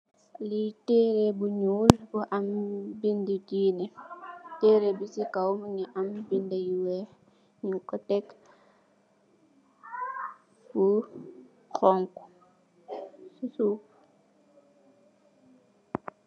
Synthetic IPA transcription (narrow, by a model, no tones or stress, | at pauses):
litɛɾebuɲuːlbuʔambindidiːnɛtɛːɾebisikawmɲiʔambindajiwɛ | ɲukɔtɛk | fu | xɔŋku̥ | susuk